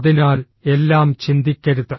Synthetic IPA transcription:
ðinaːl | e̞lːaːmt͡ɕind̪ikʲːɐɾuðːɨ

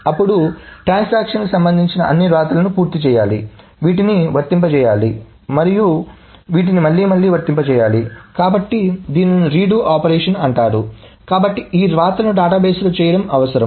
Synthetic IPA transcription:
ɐpːuɽuʈɾaːnsaːkʂɐnkusɐmbɐnd̪iɲt͡ʃinɐʔɐnːiɾaːt̪ɐlɐnupuːɾt̪it͡ʃɛːjaːlḭ | ʋiːʈiniʋɐɾt̪ːimpɐt͡ʃɛːjaːli | mɐɾiju | ʋiːʈ̬inimɐɭːiːmɐɭːiːʋɐɾt̪ːimpɐt͡ʃɛːjaːlikaːbɐʈːid̪iːniɾiːɖuːʔaːpɐɾeːʂɐnɐɳʈaːɾu | kaːbɐʈːiʔiːɾaːt̪lɐnuɖaːʈaːbeːsloːt͡ʃɛːjɐɽɐmɐʋɐsɐɾɐm

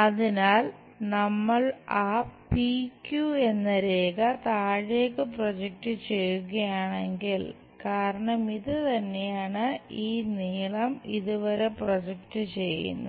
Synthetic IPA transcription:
ɐðinaːl | nɐmːɐɭaːpikːjue̞nːɐɾeːɣɐt̪aːɻeːkːɨprod͡ʑek̚ʈɨt͡ɕe̞jːuɣɐjaːɳe̞ŋɡil | kaːɾɐɳɐmiðɨt̪ɐnːe̞jaːɳɨiːniːɭɐmiðuʋɐɾe̞prod͡ʑekʈɨt͡ɕe̞jːṵnːu

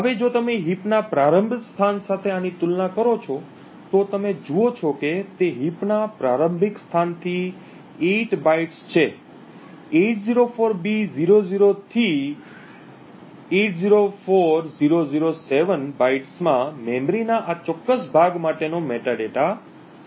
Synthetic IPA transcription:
ɦəʋed͡ʒot̪əmeɦipnapɾaɾəmbʱəkst̪ʰansat̪ʰeanit̪ulnakəɾot͡ʃʰɔ | t̪ot̪əmed͡ʒuot͡ʃʰɔket̪eɦipnapɾaɾəmbʱikst̪ʰant̪ʰi | eʈbaiʈst͡ʃʰe | eʈ̚ziɾofʰoɾbiziɾoziɾot̪ʰi | eʈziɾofoɾziɾoziɾoseʋənbaiʈsmãmɛmɾinaʔat͡ʃɔkːəsbʱaɡmaʈenomeʈaɖeʈa

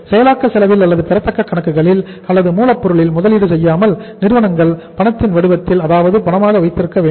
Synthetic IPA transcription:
sɛjɐlaːkːɐsɛlɐʋɪlɐlːɐðɯpɛɾɐt̪ːɐkːɐkːɐɳɐkːɯɣɐɭɪl | ɐlːɐðɯmuːlɐpːɔɾɯɭɪlmʊðɐlɪɽɯsɛjːaːmɐlnɪɾɯʋɐnɐŋɡɐɭpɐɳɐt̪ːɪnʋɐɽɯʋɐt̪ːɪlɐðaːʋɐðɯpɐɳɐmaːɣɐʋɐɪt̪ːɪɾɯkːɐʋeː

